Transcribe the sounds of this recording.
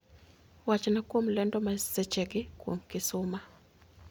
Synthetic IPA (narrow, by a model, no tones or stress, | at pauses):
wat͡ʃnakwomlɛndɔmasɛt͡ʃɛɡɪkwo̰mkɪsʊma